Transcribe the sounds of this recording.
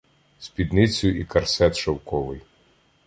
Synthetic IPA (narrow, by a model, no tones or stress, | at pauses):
sʲpʲid̪nɪt͡sʲʊikɐrsɛt̪ʃɐwkɔʋɪj